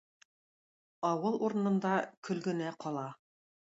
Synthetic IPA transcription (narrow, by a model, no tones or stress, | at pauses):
ɑwɤlˠuɾɤ̆nɤ̆nd̪ɑkɵ̆lɡɘ̆næqɒlˠɑ